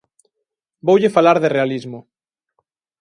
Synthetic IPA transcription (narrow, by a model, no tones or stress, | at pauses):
bowʎefalaɾðerealizmʊ